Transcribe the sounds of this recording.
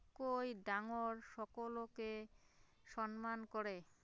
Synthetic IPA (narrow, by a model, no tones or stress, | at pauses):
kojɖaŋoɾʃɔkoloke | ʃɔnmankoɾe